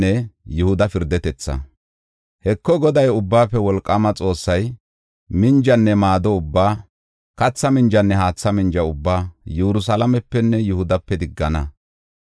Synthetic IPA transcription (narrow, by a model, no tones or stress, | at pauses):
ɛjʊhʊd̪ɐfɪɾd̪ɛt̪ɛt͡sːɐ̰ | hɛkːɔɡɔd̪ɐjʊbːaːpːɛwɔlkʼːɐmɐt͡sʼo̞ːsːɐj | mɪnd͡ʒɐnːɛmaːd̪ɔʊbːaː | kɐt͡sːɐmɪnd͡ʒɐnːɛɦaːt͡sːɐmɪnd͡ʒɐʊbːaːjɛɾʊs̬ɐlɐmɛpːɛnːɛjʊhʊd̪ɐpːɛd̪ɪɡːɐnɐ